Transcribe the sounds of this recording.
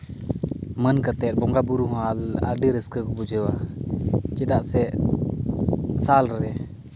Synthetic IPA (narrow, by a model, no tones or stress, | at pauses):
mənkət̪ɛt̪̚bɔŋɡabuɾuɦala̰ɖəɾəskəkɔbud͡ʒəwa | t͡ʃɛd̪aʔsɛ | salɾɛ